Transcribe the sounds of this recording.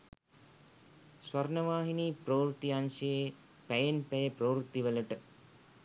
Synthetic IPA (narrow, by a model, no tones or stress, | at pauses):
sʋɐɾnəʋaːɦiniːproːɾut̪ːianʃəje | pæjenpæjəproːɾut̪ːiʋələʈə